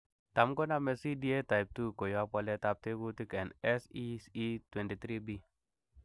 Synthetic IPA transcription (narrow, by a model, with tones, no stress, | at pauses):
ta˨mko˦na˦˨me˨si˦di˦e˦ta˨i˨p̚tu˦ko˨ja˦pɔ˧le˦ta˧p̚te˦ɡu˦ti˦kɛ˨nɛ˦si˦si˦twe˨nti˨t̪ɾi˦bi˦